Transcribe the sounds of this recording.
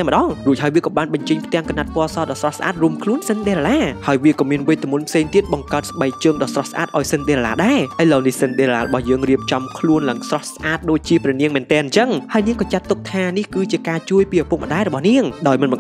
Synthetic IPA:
aɛmə̆ɗɑŋruəc̚haəjʋiəkɑːɓaːnɓɑɲt͡ɕəɲpʰt̪ɛ̆əŋkanːat̪̚pɔəsɑːɗɑːsrɑhsʔa̰ːt̪̚ruəmkʰluənsɨnɗeːɾalaːhaəjʋiəkɑːmiənʋɨjt̪ɨmunpʰseːŋt̪iət̪̚ɓɑŋkaət̪̚sɓəɛk̚t͡ɕəːŋɗɑːsrɑhsʔa̰ːt̪̚ʔaɔjsɨnɗeːɾɛlaːɗaɛʔəjlənihsɨnɗeːɾlaːɾɔɓɑhjəːŋriəp̚t͡ɕɑmkʰluənlaŋsrɑhsʔaːt̪̚ɗoːc̚t͡ɕiəprɛəniəŋmɛ̆ːənt̪ɛːnɲt͡ɕəŋhaəjniəŋkɑːt͡ɕat̪ːuk̚t̪ʰaːnihkɨːt͡ɕiəkaːt͡ɕuəjpiːʔapuk̚mə̆ɗaːɛɾɔɓɑhniəŋɗaɔjmɨnɓɑŋ

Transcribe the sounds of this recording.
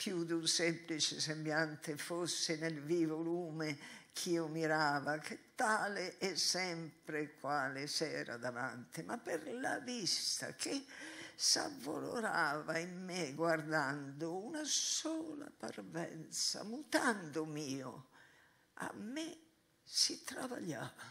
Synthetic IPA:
pjud̪unsɛmplit͡ʃesembjant̪efosːenelvivoluːmekʰiːomiɾaːvakʰet̪ːaːleʔɛsɛmpɾekwaːlesɛːɾa̰d̪ava̰nt̪ɪmapːeɾla̰vist̪a̰kʰesa̰vːo̰lo̰ɾaːvaimːeɡward̪and̪ounasɔːla̰parvɛ̰nt̪sa̰mut̪and̪omiːo̰ | a̰mːe | sit̪ɾava̰ʎːaːva

